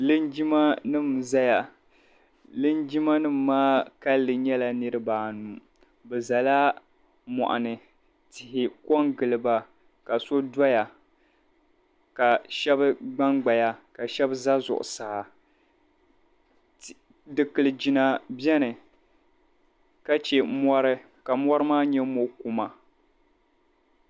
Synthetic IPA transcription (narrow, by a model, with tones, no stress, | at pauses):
lɨ˦nd͡ʒi˦ma˦nɨ˦mza˦ja˨ | lɨ˦nd͡ʒi˦ma˦nɨ˦mː˦aː˦ka˦lːɨ˨ɲɛ˦la˨nɨ˦ɾɨ˦baː˨nu˨ | bɛ˨za˨la˦ | mɔ̰˨ʔa̰˨nɨ˨ | tɪ˨hɪ˨kɔ˦ŋɡɨ˨lɨ˨ba˨ | ka˨so˦da˦ja˨ | ka˨ʃɛ˦bɨ˦ɡ͡ba˦ŋɡ͡ba˨ja˦ka˨ʃɛ˦bza˦zʊ̰˨ʔʊ̰˨sa˨ | dɨ˨kɨ˨lɨ˨d͡ʒi˨na˨bjɛ˦nɨ˨ | ka˦t͡ʃɛ˨mɔ˦ɾɨ˦ | ka˨mɔ˦ɾɨ˦maː˦ɲɛ˦mo˦ku˦ma˨